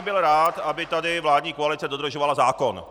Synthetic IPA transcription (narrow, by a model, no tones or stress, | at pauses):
bɪlɾaːt̪ʔabɪt̪adɪvlaːdɲiːkoalɪt͡sɛdod̪ɾr̩ʒovalazaːko̞n